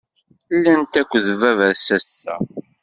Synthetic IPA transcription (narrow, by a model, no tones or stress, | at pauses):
lːænt̪ækʷːðəvævæðsæsːæ̰